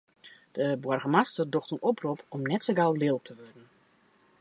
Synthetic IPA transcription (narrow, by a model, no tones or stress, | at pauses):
d̥əbwɔrɣəmastərdoxtənɔprupʰɔmnɛtsəɡawlɪːlˠtʰəʋɔrdn̩